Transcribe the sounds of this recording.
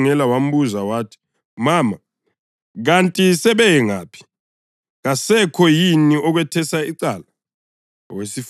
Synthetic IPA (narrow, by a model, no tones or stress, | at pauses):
ŋɛlawam̩βuzawaːtʰi̥ | maːma | ɣantʼisɛβɛjɛŋa̰ːpʰi̥ | ɣasɛkʰɔjiniɔɣwɛtʰɛsaiǀala | wesif